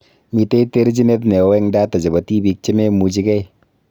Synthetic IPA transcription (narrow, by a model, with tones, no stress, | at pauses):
mi˨te˦i˦te˦ɾt͡ʃi˦ne˦t̬ne˨wɛ˦ŋdaː˦ta˨d͡ʒa˨ba˨ti˦bi˦k̚t͡ʃɪ˦me˦mu˨d͡ʒi˦kɛ˦j